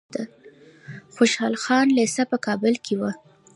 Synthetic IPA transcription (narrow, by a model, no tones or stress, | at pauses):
d̪a | xoʃɑlxɑnlesapəkɑbəlkʰewa